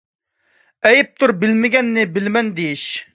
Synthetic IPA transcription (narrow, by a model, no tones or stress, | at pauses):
ɛjɪp̚t̪ʰʊɾbɪlmɪɡʲɛnːɪbɪlmɛnd̪ejiʃ